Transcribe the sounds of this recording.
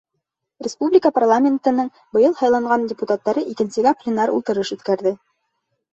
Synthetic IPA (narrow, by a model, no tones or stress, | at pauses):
rʲɪspublʲɪkəparlˠamʲent̪ɤ̆nɤɴ | bɤ̆jɤlˠhɑjlˠɑɴɢɑndʲɪput̪at̪ːɑɾɤʔikɘ̆nsɘ̆ɡæplʲɪnaɾṵlˠt̪ɤ̆ɾɤʃʉθkæɾðɘ